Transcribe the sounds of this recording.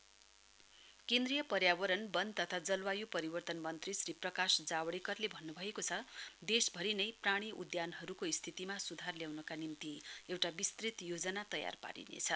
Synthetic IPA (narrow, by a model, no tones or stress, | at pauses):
kend̪rijʌpʌrjabʌɾʌnbʌnt̪ʌt̪ʰad͡zʌlwajupʌɾibʌrt̪ʌnmʌnt̪risriprʌkasd͡zawɽekʌrlebʱʌnːubʱʌekot͡sʰʌd̪esbʱʌɾinʌjpraɽ̃iʔṵd̪janɦʌɾukoist̪ʰit̪imasud̪ʱarljawnʌkanimt̪iewʈabist̪rit̪jod͡zʌnat̪ʌja̰rpa̰ɾḭnḛt͡sʰʌ